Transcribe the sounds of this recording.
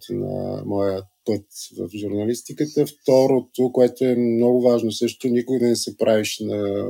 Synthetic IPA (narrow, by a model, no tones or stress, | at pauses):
t̪nɐ̰mɔjəpɤt̪və̰fʒʊɾnɐlist̪ikət̪əft̪ɔɾot̪okoɛt̪oɛmmnɔɡʊvaʒnosɤʃt̪onikʊɡəd̪ɐnɛsɛpɾaviʃnɐ